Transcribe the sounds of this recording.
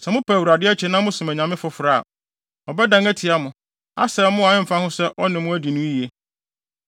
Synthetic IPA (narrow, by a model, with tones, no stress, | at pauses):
sɛ˨mʊ̃˦pʰæ˨wu˨ɾa˨dɪ˦ɛ˦t͡ɕʰɛ˨nã˦mʊ̃˦sʊ̃˨mæ˨ɲã˨mɪ̃˦fʊ˨fʊ˨ɾa˦˨a̰˨ | ɔ˨bɛ˦dã˨ŋæ˦tʰɪ˨a˦mʊ̃˨ | a̰˦sɛ˨˦mʊ̃˦a˨ɪ̃˦m̩˨fã˦hʊ̃˦sɛ˦ʔɔ˦nɪ̃˨mʊ̃˦æ˦di˨nʊ̃˦i˨e˦